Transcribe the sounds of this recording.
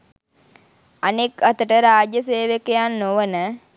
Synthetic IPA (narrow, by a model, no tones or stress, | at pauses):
anekat̪əʈəɾaːd͡ʒjəseːʋekejanːoʋənə